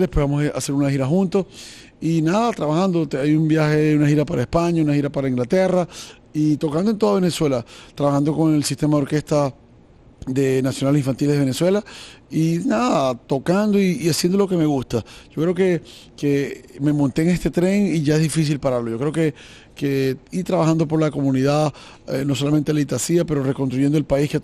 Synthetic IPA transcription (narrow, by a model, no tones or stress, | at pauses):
lepweβamosa̰se̞ɾunaxiɾaxunt̪o̞s | inaðat̪ɾaβaxand̪o̞t̪ajumbjaxe̞unaxiɾapaɾaespaɲaunaxiɾapaɾaiŋɡlat̪e̞ra | it̪o̞kand̪oe̞nt̪oaβe̞neswe̞lat̪ɾaβaxand̪o̞ko̞ŋe̞lsist̪e̞maðo̞ɾke̞st̪a | d̪e̞nasjonalsiɱfant̪ileðeeneswe̞lainaðat̪o̞kand̪o̞iːasjend̪o̞lo̞ke̞meɣust̪aʝ̥o̞kɾe̞oke̞keme̞mont̪eŋe̞st̪e̞t̪ɾe̞ŋiʝae̞zðifis̬ilpaɾaɾlo̞ʝo̞kɾe̞oke̞ | keiɾt̪ɾaβaxand̪o̞p̬o̞ɾlako̞mũniðað | eno̞so̞lament̪elit̪asiape̞ɾo̞re̞ko̞nst̪ɾuʝe̞nd̪oelpaiske